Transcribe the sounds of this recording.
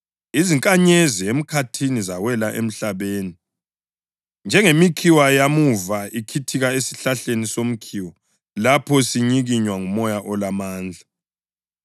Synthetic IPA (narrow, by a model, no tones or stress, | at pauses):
iziŋkʼaɲeziem̩kʰatʰinizawɛlaʔḛm̩ɬaβeːni | nd͡ʒʱɛŋemikʰiwajamuvaʔikʰitʰiɣaesi̥ɬaɬenisom̩kʰiwɔ | lapʰɔsiɲiɣiɲwaŋumɔjaʔɔlamaːnd͡ɮʱa